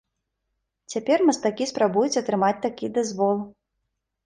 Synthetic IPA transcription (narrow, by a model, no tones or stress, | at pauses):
t͡sʲapʲɛrmɐst̪akʲispɾabujut͡sʲɐt̪ɾɨmat͡sʲt̪akʲid̪azvɔlˠ